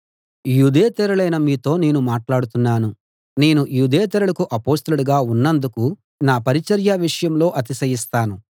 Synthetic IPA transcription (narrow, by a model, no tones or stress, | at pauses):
juːd̪ɛːt̪ɛɾɐɭɐjnɐmiːt̪o̞ːne̞ːnumaːʈlaːɽut̪unːaːnu | ne̞ːnujuːd̪ɛːt̪̬ɛɾɐɭɐkuʔɐpoːst̪ɐluɽuɡaːunːɐnd̪uku | naːpɐɾit͡ʃɐɾjɐʋiʂɐjɐmlo̞ːʔɐt̪̬isɐjist̪aːnu